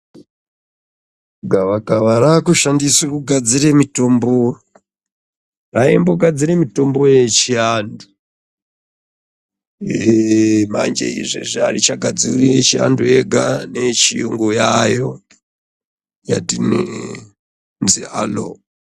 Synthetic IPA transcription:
ɡʱaʋakaʋaɾakuʃandisakuɡʱad͡ziremito̞mbo | raemboɡʱad͡ziɾemito̞mbo̞je̞t͡ʃiandu | ema̰nd͡ʒḛḭʐḭʐarit͡ʃaɡʱad͡ziriet͡ʃia̰ndueɡʱane̞t͡ʃiuŋɡojajo̞ | jadini | nzialo̰

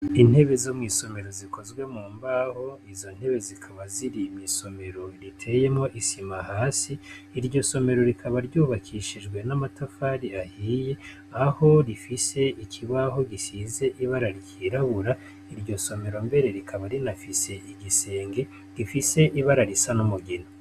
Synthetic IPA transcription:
in̥he̞βe̞zomŋiːso̞me̞ɾo̞ziko̞zɡwe̞muːmbaho̞izo̞n̥he̞βe̞zikʰaβaziɾimiso̞me̞ɾo̞ɾitʰe̞je̞mŋo̞ʔisimahaːsiː | ɾɟo̞so̞me̞ɾo̞ɾikʰaβaɾɟuːβakʰiʃiʒɡwe̞namatafaːɾiahiːje̞ | aho̞ɾifise̞ikʰiβaɦo̞ɡisize̞ʔiβaɾaɾɟiɾaβuɾa | iɾɟo̞so̞me̞ɾo̞mbe̞ɾe̞ɾikʰaβaɾinafise̞ʔiɡise̞ːŋɡe̞ | ɾifise̞ʔiβaɾaɾisanomuɡino

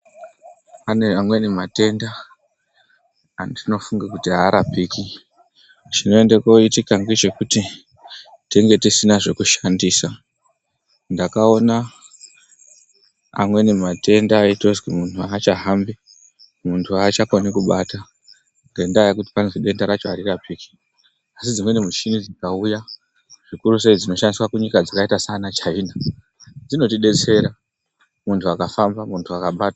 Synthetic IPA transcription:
aneamwe̞nemate̞nda | ndino̞fuŋɡakutiɦaːɾapiːki | t͡ʃino̞e̞ndeko̞itikaŋɡet͡ʃe̞kuti | teŋɡe̞tisinaʐe̞kuʃandiːsa | ndakao̞na | a̰mwe̞nemate̞ndaːito̞zɡwimuntuaːt͡ʃaɦambi | muntʰuat͡ʃakonikuɓata | ŋɡe̞ndaːjakuti̥panzeɗe̞ndaɾat͡ʃoaɾirapʰiːki̥ | asid͡zimwe̞nemut͡ʃinid͡zikauja | ʐ̥ikuɾus̬e̞id͡zino̞ʃandiswakuɲikad͡zakaitasanat͡ʃaina | d͡zino̞tiɗe̞t͡se̞ɾa | muntʰuakafambamuntʰuakaɓaːta

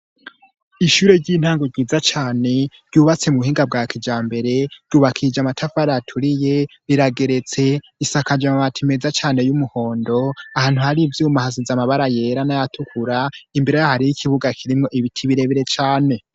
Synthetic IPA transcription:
iʃuɾe̞ɾɟiːn̥haːŋɡo̞ɾɟiːzat͡ʃaːne̞ɾɟuːβat͡se̞muhiːŋɡab̚ɡaːkid͡ʒaːmbe̞ɾe̞ɾɟ̥uːβakʰid͡ʒamatʰafaɾatʰuɾije̞ɾiɾaɡe̞ɾe̞t͡se̞ | isakad͡ʒamaβatʰime̞zat͡ʃaːne̞jumuho̞ːndo̞ahaːn̥huhaɾivjuːmahazizamaβaɾaje̞ːɾanajatʰukʰuɾaimbeɾejahaɾijikʰiβuɡakʰiɾimŋo̞ʔiβitʰiβiɾe̞βiɾe̞t͡ʃaːne̞

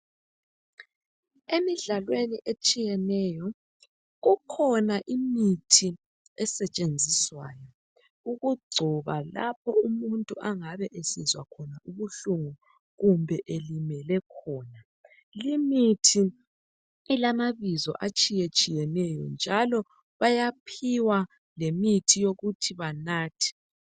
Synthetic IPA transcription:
emiɮalweniʔet͡ʃʼijɛnɛjɔ | ɣukʰɔnaʔimitʰi | ɛsɛt͡ʃʼend͡zʱiswaːjɔ | uɣuɡ͡ǀʱɔβalapʰɔumuntʼuʔaŋaβɛʔesizwakʰɔnaʔuβuɬuŋu | ɣumbʱɛʔelimɛlɛkʰɔːna | limitʰi | ilamaβizɔ̰ʔat͡ʃʼijet͡ʃʼijɛnɛjɔ̰nd͡ʒʱalɔ | βajapʰiwa | lemitʰijoɣutʰiβanaːtʰi̥

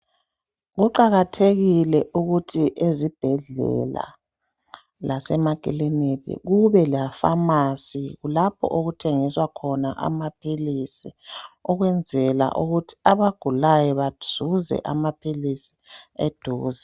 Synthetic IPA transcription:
ɣuǃaɣatʰeɣilɛʔuɣutʰiʔezib̥ʱɛɮɛ̰la̰ | lasɛmakʼilinitʰʼḭɣuβɛlijafamasiɣulapʰɔ̰ʔoɣutʰɛŋiswakʰɔna̰ʔa̰mapʰilisiɔɣwɛnd͡zʱɛla̰ʔuɣutʰi̥aβaɡ̥ʱulajɔβaz̥uzɛ̰ʔamapʰilisi̥ed̥ʱuːza

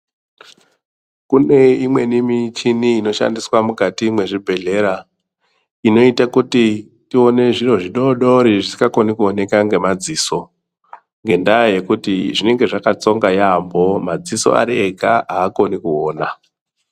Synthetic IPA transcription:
kune̞imwe̞nimit͡ʃiniːno̞ʃa̰ndiswamukatimwe̞ʐibʱe̞ɮe̞ɾa | ino̞itakuti | tio̞ne̞ʐiro̞ʐiɗoɗo̞ɾiʐisi̥kako̞nikuone̞kaŋɡe̞mad͡ziːso̞ | ŋɡe̞ndaje̞kutiʐine̞ŋɡe̞ʐakat͡so̞ŋɡajambo̞mad͡ziso̞̰a̰ɾieɡʱaaːko̞nikuoːna

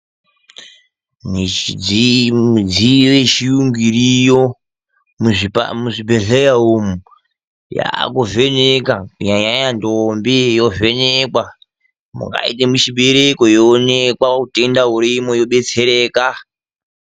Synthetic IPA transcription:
niid͡zimud͡ziʋet͡ʃijuŋɡiɾijo | muʐipmuʐibeɮejaumu | ja̰kovenekakuɲaɲajandombijo̞venekwa | mṵŋɡa̰ḭtemut͡ʃiɓeɾekojoːnekwakutendaɦuɾimojoɓe̞t͡seɾeːka

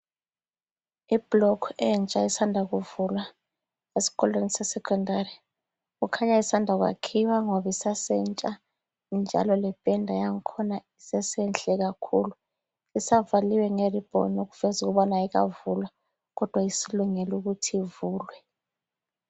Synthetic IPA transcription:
ib̥lɔkʰɛnt͡ʃʼaisandʱak̬uvulwa | esi̥kɔlwenisɛsɛkʰɔndʱaɾi | k̬ukʰaɲaisandʱak̬wa̰kʰiwaŋoɓisasɛnt͡ʃʼa | nd͡ʒʱa̰lɔlɛb̥ʼɛndʱajaŋ̩kʰɔnaisɛsɛnt͡ɬʼɛk̬akʰulu | isavaliwɛŋerib̥ʱɔ̰nok̬uv̥ɛzuk̬uɓɔnaik̬a̰vulwa | k̬ɔd̥ʱwaisiluŋɛluk̬utʰivuːlwɛ

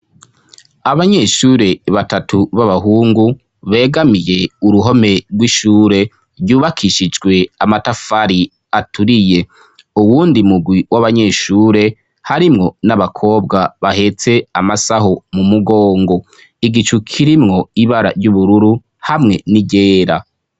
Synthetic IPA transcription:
aβaɲe̞ʃuːɾe̞βatatʰuβaβaɦuːŋɡu | βe̞ːɡamije̞uɾuɦo̞me̞ɾɡwiʃuːɾe̞ | ɾɟuːβakʰiʃid͡ʒɡwe̞amatafaɾi | atʰuɾije̞ | uwuːndimuɡwiwʔaβaɲe̞ʃuːɾe̞ | haɾimŋo̞naβakʰo̞ːbɡaβahe̞t͡se̞amasahomumuɡo̞ːŋɡo̞ | iɡit͡ʃukʰiɾimŋo̞iβaɾa̰ɾɟuβuɾuɾu | hamŋe̞niɟe̞ːɾa

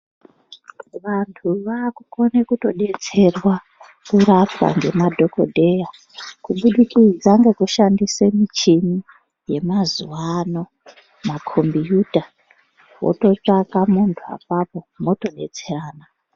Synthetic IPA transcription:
ʋantʰuʋaːkuko̞nekuto̞ɗe̞t͡se̞rwa | kuɾapwa̰ŋɡe̞madʱo̞ko̞̰dʱe̞ja | kuɓuɗikid͡zaŋɡekuʃandisemit͡ʃimi | je̞mazuwano̞ | makʰo̞mbijuːdʱa | wo̰to̞t͡ʂakamuntʰua̰papo̞mo̞to̞ɗe̞̰t͡se̞raːna

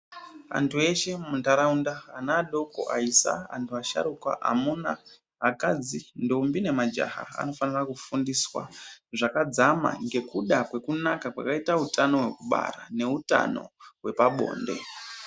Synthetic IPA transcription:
a̰ntʰue̞ʃe̞muntaɾaundaːnaːɗo̞ko̰ʔaisa̰a̰ntʰuaʃa̰ɾukwa̰ʔa̰muna | ɦakad͡zindombine̞mad͡ʒa̰ɦa̰a̰no̞fanirakufundiswa̰ʐakad͡zama̰ŋɡe̞kuɗakwe̞kunakakwa̰kaitautʰano̞ɦwe̞kuɓa̰ɾa̰ne̞uta̰no̞̰we̞paɓo̞̰ːnde̞̰

